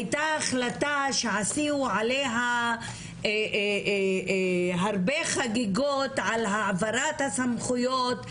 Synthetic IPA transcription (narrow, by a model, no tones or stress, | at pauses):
hajtaːχlataʃeʕasiuʕaleɦa | ɦaɾbeχaɡiɡotʕalɦaʕavaɾat̪hasamχujo̞t